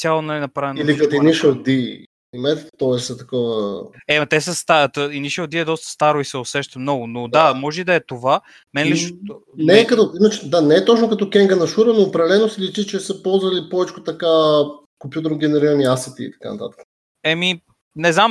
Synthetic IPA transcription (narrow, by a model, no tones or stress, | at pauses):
t̪ʲjalˠonɐlinɐpɾavɛnilikɐt̪iniʃəd̪i | imɛt̪t̪ɔɛssɛt̪ɐkɔvəɛmɐt̪ɛsəst̪at̪əiniʃəd̪iɛd̪ɔst̪ə̥st̪aɾoisɛosɛʃt̪əmnɔɡʊnod̪amɔʒɛid̪ɐɛt̪ova | mɛnɛliʃot̪o | nɛkɐt̪ɔimət͡ʃɛd̪anɛːt̪ɔt͡ʃnokɐt̪ɔkʲɛŋɡənɐʃuɾənoːpɾɐd̪ɛlɛnosilit͡ʃ̪it͡ʃɛsəpɔlˠzvɐlipɔvɛt͡ʃko̥t̪ɐka | kompjut̪əɾnɡʲɛnɛɾiɾɐniasɛt̪ḭḭt̪ɐ̥ka̰nɐ̰t̪a̰t̪ə̥kə̥ | ɛmi | nɛznam